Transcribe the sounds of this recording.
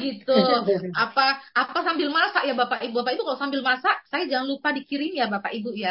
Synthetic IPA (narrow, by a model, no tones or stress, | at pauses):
ɡit̪uapaʔːpasambɪlmasaʔjabapaʔibubapaibukalaʔsambɪlmasaʔsajad͡ʒaŋanlupadikiɾinjabapaʔibuja